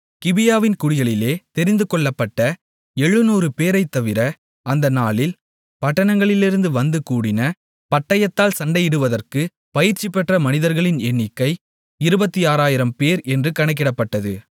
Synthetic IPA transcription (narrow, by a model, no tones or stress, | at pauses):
kɪbɪjaːʋɪnkʊɽɪɣɐɭɪleːt̪ɛɾɪnd̪ɯkɔɭːɐpːɐʈːɐ | ɛɻːɯnuːɾɯpeːɾɐɪt̪ːɐʋɪɾɐ | ɐnd̪ɐnaːlɪl | pɐʈːɐɳɐŋɡɐɭɪlɪɾɯnd̪ɯʋɐnd̪ɯkuːɽɪnɐ | pɐʈːɐjɐt̪ːaːlsɐɳɖɐjɪɽɯʋɐðɐrkɯ | pɐjɪɾt͡ʃːɪpːɛʈrɐmɐnɪðɐɾɣɐɭɪnɛnːɪkːɐɪ | ɪɾɯbɐt̪ːiaːɾaːjɪɾɐmpeːɾɛndrɯkɐɳɐk̬ːɪɽɐpːɐʈːɐðɯ